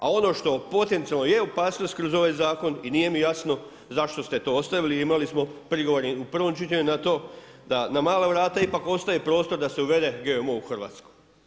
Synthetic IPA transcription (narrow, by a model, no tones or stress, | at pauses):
a̰o̞no̞ːʃt̪o̞po̞t̪e̞nt̪ialnojeopaːsno̞st̪̚kɾo̞zo̞ʋajzaːko̞niniːje̞mijasno̞ | zaʃt̪o̞st̪e̞t̪o̞ost̪aʋiliimalismo̞pɾiɡo̞ʋoɾiupr̩ʋo̞mt͡ʃit̪eɲunat̪o̞ː | d̪anamaːlaʋɾaːt̪aipako̞st̪ajepɾo̞ːst̪o̞ɾd̪ase̞uʋe̞d̪e̞ɡe̞omouxr̩ʋa̰ːt̪skoj